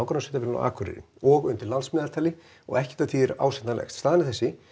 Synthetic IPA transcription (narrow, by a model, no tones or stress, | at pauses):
awkaɾnasɛt̪afɪɾʏna̰ʔa̰ːkʰʏɾɪ̰ɾɪ̰nɔɣʏnt̪ɪɾlalsmɛːðalt̪ʰajlɪ | ɔ̰ɣɛhcɪ̥t̪at̪ʰiɛɾa̰wsɛnt̪nalɛ̰xst̪st̪aːðanɪθɛsːɪ